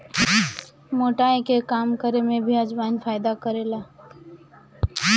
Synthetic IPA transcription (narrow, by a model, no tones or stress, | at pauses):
moːʈaekekaːmkəɾemẽbʱiəd͡ʒbaːnfaːɪd̪akəɾeːla